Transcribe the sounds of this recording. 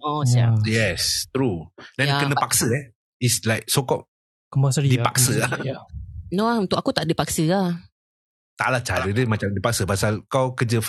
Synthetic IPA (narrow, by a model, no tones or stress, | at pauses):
oajɛst̪ɾudɛ̃nkənəpak̚səɛ | islaɪk̚sokɔp̚ | kɔmpasədipaksəa | noaunt̪ʊʔkakut̪aʔdipaksəa | t̪a̰ʔlat͡ʃaɾədəmat͡ʃamdipaksəpasalkawkəd͡ʒə